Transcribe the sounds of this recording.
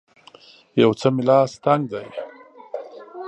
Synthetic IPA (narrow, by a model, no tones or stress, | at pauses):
jawt͡səmɪlɑːst̪aŋɡ̚d̪aj